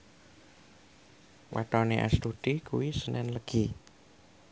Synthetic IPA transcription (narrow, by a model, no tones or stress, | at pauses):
wa̰ʈɔneʔa̰st̪ud̪̥ikuwisənɛnləɡ̥i